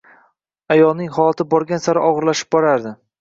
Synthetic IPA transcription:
ajɒlˠnɪŋhɒlˠat̪ʰɪbɒɾɡʲansaɾʔɒʁɨɾlaʃɪ̥p̚bɒɾaɾd̪ɪ

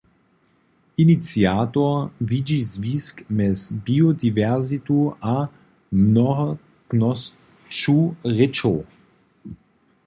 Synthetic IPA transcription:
init͡sjaːt̪ɔvid͡ʒizviːskmɛsbiod̪ivɛʁzit̪uʔa | mnɔɦɔ | knɔs | t͡ʃuʁɪt͡ʃow

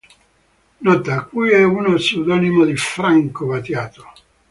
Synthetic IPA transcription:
nɔt̪ːaːkːujɛunosud̪ɔnimod̪ifɾaŋkovat̪jaːt̪o̥

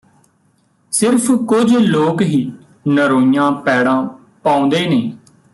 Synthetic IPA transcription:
sɪɾpʰkʊd͡ʒloːkɦiː | nəɾoːijãːpɛːɽãː | pãːõːnd̪eːneː

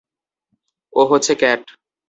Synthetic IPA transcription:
oɦoːt͡ɕʰekɛʈ

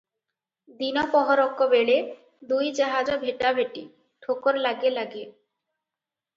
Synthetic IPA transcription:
d̪inɔpɔɦoɾɔkːobeɭe | d̪ujd͡ʑaɦad͡ʑobʱeʈabʱeʈi | ʈʰokoɾlaɡelaɡe

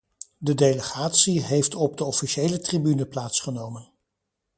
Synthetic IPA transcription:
dədejləχaːtsiɦejftɔb̚dəɔfiʃejlətribynəplaːtsχənowmən

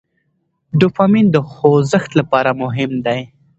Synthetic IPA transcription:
ɖʊfamind̪əxozəxt̪lapɑɾamʊɦɪmd̪aj

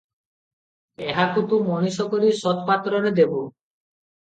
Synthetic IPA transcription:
eɦakut̪umɔñisɔkɔɾisɔt̪pat̪ɾɔɾed̪ebu

